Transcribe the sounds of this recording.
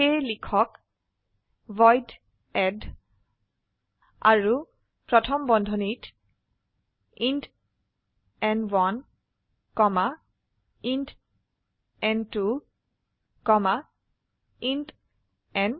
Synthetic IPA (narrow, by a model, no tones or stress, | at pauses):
ejlikʰɔk | vɔjd | ɛd | a̰ɹu | pɹɔtʰɔmbɔndʱɔnit | int | ɛnwan | kɔma | int | ɛntu | kɔma | int | ɛn